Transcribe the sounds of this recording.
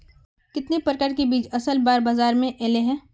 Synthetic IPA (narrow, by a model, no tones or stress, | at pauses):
kɪt̪nepɾɐkaːɾkebiːd͡ʒɐsəlbaːɾbaːzaːɾmẽʔeːleɦɛ̃ː